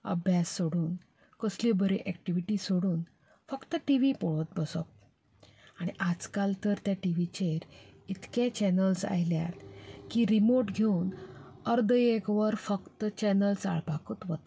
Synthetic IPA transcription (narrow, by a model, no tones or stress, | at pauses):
ə̰bʱjasːoɽuːn | kəsljobʱəɾeʔɛk̚ʈiʋiʈisoɽuːn | fəkt̪əʈiʋipɔɭət̪̚bəsɔ̰p̚ | aɽ̃iʔad͡zkalt̪əɾt̪jaʈiʋit͡ɕeɾit̪ket͡ɕɛnəlsa̰jlja̰t̪kiɾimoɾʈɡʱewnəɾd̪əekʋəɾfəkt̪ət͡ɕɛnəlsa̰ɭpakut̪ʋət̪